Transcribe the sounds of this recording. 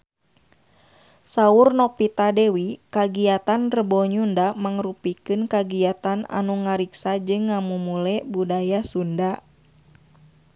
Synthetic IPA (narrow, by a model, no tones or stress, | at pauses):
saurnɔpit̪adɛwikaɡiat̪anrəbɔɲundamaŋrupikɨnkaɡiat̪ana̰nuŋaɾiksad͡ʒɨŋːamumulɛbudajasunda